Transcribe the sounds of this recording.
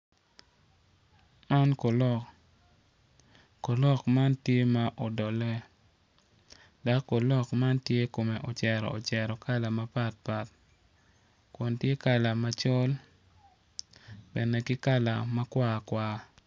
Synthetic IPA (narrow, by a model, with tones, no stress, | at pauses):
a˦nko˨lɔ˨ | ko˨lɔ˦˨kma˦ntje˦ma˦ʔo˨dɔ˨lɛ˦ | da˨˦kːo˨lɔ˦kma˦ntje˦ko˨me˨ʔo˨t͡ʃɛ˨ɾɔ̰˨o˨t͡ʃɛ˨ɾɔ˨ka˦la˨ma˦pa˦t̚pa˨t̚ | kɔ˨ntje˦ka˦la˨ma˦t͡ʃɔ˦l | b̥ɛ˨ne˨kɪ˦ka˦la̰˨ma˦kwa˦kwa˦